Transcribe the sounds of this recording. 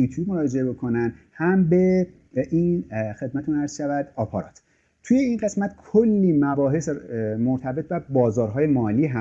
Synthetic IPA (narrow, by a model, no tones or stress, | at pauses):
uːt̪ʰjuːbmoɾɒːd͡ʒe̞ebe̞kʰo̞nænd̪hæmbe̞ | ʔinxe̞d̪̚mæt̪ʰunæɾz̥ʃævæd̪̥ɒːpʰɑɾɒ̰ːt̪ʰ | t̪ʰuje̞inɢe̞smæt̪kʰolːiːmæbɒːɦe̞smo̞ɾt̪ʰæbe̞t̪ʰvæbɒːzɒːɾɦɒːje̞mɒːliːɦæ